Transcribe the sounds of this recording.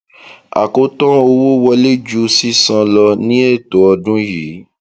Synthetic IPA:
a̰˨ko˨˧tɔ̃˦o˧wo˦wɔ˧le˦d͡ʒu˧si˦sã˧lɔ˧nĩ˦e˦˨to˨˦ɔ˧dũ˦ji˨˦

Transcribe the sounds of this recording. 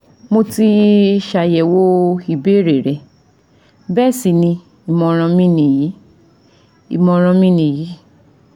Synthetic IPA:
mo˧ti˧ʃa˨jɛ˨wo˦i˧˨be˦ɾe˨ɾɛ˨ | bɛ˦˨si˧˨nĩ˧ | i˨mɔ̃˧ɾ̃ã˧mĩ˦nĩ˧˨ji˨˦ | ḭ˨mɔ̃˧ɾ̃ã˧mĩ˦nĩ˧ji˨˦

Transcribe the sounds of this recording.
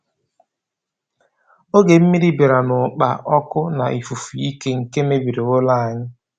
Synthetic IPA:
o˦ɡe˨m̩˦mi˦ɾi˦bi˨ɾa˨nʊ˨k͡pa̰˨ʔɔ˦kʊ˦na̰˨ʔi˨fu˨fu˨i˦ke˦ŋ̩˨ke˦me˦bi˨ɾe˨o˦la˦a˨ɲɪ˦

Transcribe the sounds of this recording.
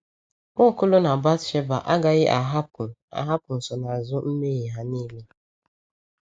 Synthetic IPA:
mʊ˦˨kʊ˦lʊ˦na˨ba˦tt͡ʃe˦ba˨ʔa˦ɡa˨ɣɪ˦ʔa˨ɦa˦ʊ˨a̰˨ɦa˦pʊ˨n̩˨sɔ˨na˨zʊ˦m̩˦me˦ɣi˨ɦa˨ni˦le˦

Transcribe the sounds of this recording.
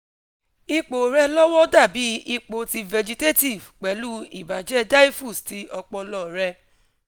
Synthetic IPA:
i˧k͡po˨ɾɛ˧lɔ˦wɔ˦da˦˨bi˨˦i˧k͡po˨˦ti˧vɛ˨d͡ʒi˧te˦ti˦˨vk͡pɛ˨˦lu˦ḭ˨ba˨d͡ʒɛ˦da˦i˦fu˦˨sti˧˦ʔɔ˧k͡pɔ˧lɔ˦˨ɾɛ˧

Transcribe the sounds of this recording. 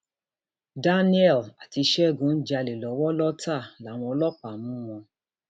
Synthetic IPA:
da˦nĩ˦ɛ˦˨la˨ti˧ʃɛ˦˨ɡũ˨˦n̩˦d͡ʒa˧le˨lɔ˨˦wɔ˦lɔ˦ta˦˨la˨˦˨w̃ɔ̃˧ɔ˧lɔ˦k͡pa˨mũ˦w̃ɔ̃˧

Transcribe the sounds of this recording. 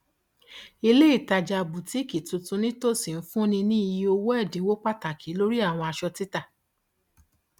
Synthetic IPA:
i˧le˦i˦˨ta˨d͡ʒa˧˨bu˨ti˨˦˨ki˨tũ˧tũ˧nĩ˦to˦˨si˨n̩˦fũ˦nĩ˧nĩ˦i˧ji˧o˧wo˦ɛ˦˨dĩ˨˦wo˦k͡pa˦˨ta˨kʰi˨˦lo˦ɾi˦a˦˨w̃ɔ̃˧a˧ʃɔ˧ti˦ta˦˨

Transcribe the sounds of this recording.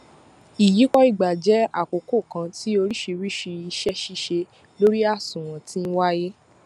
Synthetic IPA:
i˨ji˨˦kɔ˦i˦˨ɡ͡ba˨d͡ʒɛ˨˦a˦˨ko˨ko˦˨kã˧ti˨˦o˧ɾi˦ʃi˧ɾi˦ʃi˧i˧ʃɛ˦ʃi˧ʃe˧ | lo˦ɾi˦a˦˨sũ˨w̃ɔ̃˨ti˦n̩˦wa˦je˦

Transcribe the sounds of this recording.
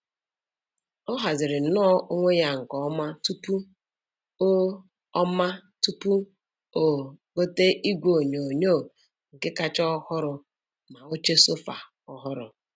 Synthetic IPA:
ɔ˦ɦa˨zɪ˨ɾɪ˨˦nɔ˦ʔo˦ŋʷe˦ja˦ŋ̩˨kɔ˨˦ma˦tu˦pu˦ | o˦ | ɔ˦ma˦tu˦pu˦ | o˨ɡo˦te˦ʔi˦ɡʷo˨ɲo˨o˨ɲoː˦˨ | ŋ̩˨kɪ˦ka˦t͡ʃɔ˦hʊ˦ɾʊ˨ | ma˨o˦t͡ʃe˦so˦fa̰˨ | ɔ˦ɦʊ˦ɾʊ˨

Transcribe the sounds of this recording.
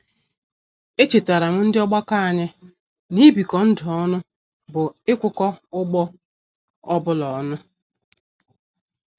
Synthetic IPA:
e˦t͡ʃe˨ta˨ɾa˨m̩˦n̩˦dɪ˦ɔ˦ɡ͡ba˦ka˦a˨ɲɪ˦ | ni˦bi˨kɔ˨n̩˦dɔ˦nʊ˦ | bʊ˨ɪ˦kʷʊ˦kɔ˦ʊ˦ɡ͡bɔ˦ | ɔ˦bʊ˦lɔ˨˦nʊ˦

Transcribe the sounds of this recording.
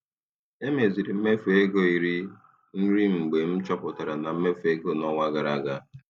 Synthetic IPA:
e˦me˨zi˨ɾi˨m̩˦me˦fe˦ɡo˦i˨ɾi˦ | n̩˦ɾi˦m̩˨ɡ͡be˨m̩˦t͡ʃɔ˦pʊ˨ta˨ɾa˨na˨m̩˦me˦fe˦ɡo˦˨nɔ˦ŋʷa˦ɡa˨ɾa˨ɡa˦

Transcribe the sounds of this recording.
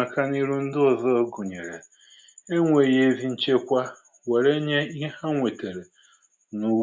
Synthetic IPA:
a˨ka˦ni˦ɾu˦n̩˦dʊ˦ɔ˨zɔ˦ɡʊ˨ɲe˨ɾḛ˨ | e˦ŋʷe˨je˦e˦zi˦n̩˦t͡ʃe˦kʷa˦ | we˨ɾe˦ɲe˦i˦ɦe˦ha˦ŋʷe˨te˨ɾe˨ | nu˦

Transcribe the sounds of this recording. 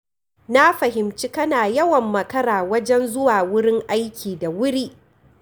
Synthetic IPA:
na˦ɸɐ˨ɦɪ˨mt͡ʃi˦kɐ˦naː˨jɐ˦wɐ˨mːɐ˨kɐ˦ɽaː˨wɐ˦d͡ʒɛ˦nzʊ˦waː˨wʊ˦ɽɪ˦ŋʔa˦jkʲiː˨da˨wʊ˦ɽiː˦ʔ

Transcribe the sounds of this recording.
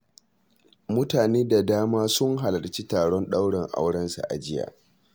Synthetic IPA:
mʊ˦taː˨neː˦da˨daː˦maː˦sʊ˦ŋɦa˨lɐ˨rt͡ʃi˦taː˨ɽɔ˦nɗa˦wɽɛ˨ŋʔa̰˦wɽɐ˦nsa̰˨ʔa̰˨d͡ʒɪ˦ja̰ː˨

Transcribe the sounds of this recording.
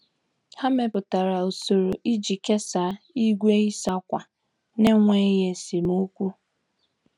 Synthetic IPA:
ha˦me˨pʊ˨ta˨ɾa˨u˨so˨ɾo˨ʔi˦d͡ʒi˨ke˦sa˨˦ | i˦ɡʷe˦i˦sa˦kʷa˨ | ne˦ŋʷe˦je˨si˨m˦o˦kʷu˦

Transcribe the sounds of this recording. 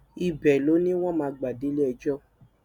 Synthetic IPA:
i˨bɛ˨lo˨˦nĩ˦w̃ɔ̃˦mãː˧ɡ͡ba˨de˨˦le˦ɛ˧d͡ʒɔ˦˨

